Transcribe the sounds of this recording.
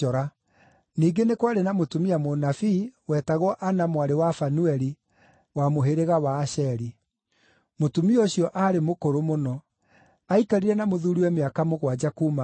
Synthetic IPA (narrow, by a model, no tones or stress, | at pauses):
ɔɾa | niːɡenekwaɾenamotumiamonafiːwɛːtaɣɔʔanamwaɾewafanuɛɾi | wamoɦeɾeɣawaːʃɛɾi | motumioɕjɔʔaɾemokoɾomonɔ | aikaɾiɾɛnamoðuːɾiwɛmeakamoɣwad͡ʒakuma